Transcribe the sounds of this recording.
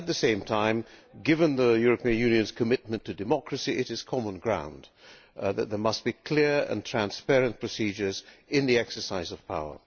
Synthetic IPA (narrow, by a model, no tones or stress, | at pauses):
ɨt̪̚ðɨsẽɪ̃mtʰãɪ̃mɡɪvə̃nðəjʊɹɨpʰiɨ̃njʉ̃njɨ̃nz̥kʰɨmɪt̚mɨ̃ntʰɨdɨmɑkɹɨsiʔɨɾɨz̥kʰɑmə̃nɡɹãʊ̃n | ðɨt̪̚ðə˞mʌst̚b̥ikʰl̥ɪɹɨ̰̃ntʰɹ̥æ̃nspɛɹɨ̃npʰɹ̥ɨsid͡ʒə˞zɪ̃nðiɛksə˞saɪzʌv̥pʰaʊə̰˞